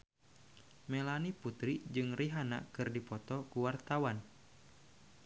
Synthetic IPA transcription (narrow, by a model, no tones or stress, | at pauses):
mɛlaniput̪ɾid͡ʒɨŋriɦana̰kɨrdipɔt̪ɔkuwart̪awan